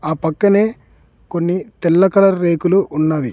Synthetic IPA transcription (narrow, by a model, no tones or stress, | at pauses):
aːpɐkːɐne̞ː | ko̞nːit̪ɛlːɐkɐlɐɾːe̞ːkuluːnːaːʋi